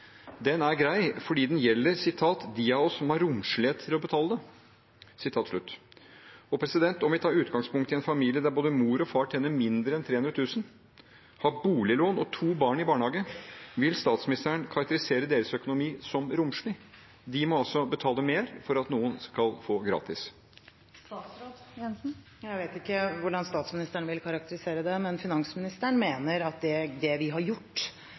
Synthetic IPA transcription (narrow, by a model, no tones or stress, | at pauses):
d̪ɛnæɾɡɾæɪfɔɖiːd̪ɛnjɛlːəɾsɪt̪ʰɑːt̪d̪iːɑɔsɔmhɑɾːʊmʂɭɪeːt̪t̪ʰːɪlɔbət̪ʰɑːləd̪ə | sɪt̪ʰɑːt̪ʂɭʉt̪ː | ɔpʰɾɛsɪd̪ɛnt̪ɔmʋɪt̪ʰɑːʉːt̪ɡɑŋspʰʊŋkt̪ɪɛnfɑmiːlɪəd̪æɾboːd̪əmuːɾɔfɑːʈʰɛnːəmɪnd̪ɾəɛnt̪ʰɾeːʉnɾɔt̪ʰʉːsən | hɑːbuːlɪloːnɔt̪ʰuːbɑːɳɪbɑːɳhɑːɡəʋɪlst̪ɑːt̪smɪnɪst̪əɳkʰɑɾɑk̚t̪əɾɪseːɾəd̪eːɾəsœkʊnʊmiːsɔmɾʊmʂɳiː | d̪ɪmɔɑlsɔbət̪ʰɑːləmeːɾfɔɾɑt̪nuːənskɑlfoːɡɾɑ̰ːt̪ɪs | st̪ɑːsɾod̪ɛn̩ | jæɪʋeːt̪ɪkːəʋʊɖɑnst̪ɑːt̪smɪnɪst̪əɳʋɪlkʰɑɾɑk̚t̪əɾɪseːɾəd̪ɛmɛnfɪnɑŋsmɪnɪst̪əɳmeːnəɾɑt̪̚d̪ɛd̪ɛʋɪɦɑɾjʊʈː